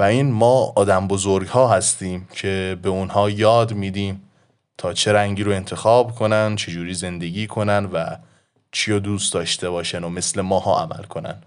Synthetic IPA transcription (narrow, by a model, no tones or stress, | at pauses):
væiːnmɒːɒːd̪æmbozoɾɡhɒːɦæst̪iːmcʰe̞be̞unhɒːjɒːd̪miːd̪iːm | t̪ʰɒːt͡ʃʰe̞ɾæŋɟiːɾoe̞nt̪ʰe̞xɒːbkʰo̞nænt͡ʃʰe̞d͡ʒuːɾiːze̞nd̪e̞ɡiːkʰo̞nænvæ | t͡ʃʰijod̪uːst̪d̪ɒːʃt̪e̞βɒːʃænome̞sle̞mɒːhɒ̰ːæ̰mæ̰lkʰo̞næ̰n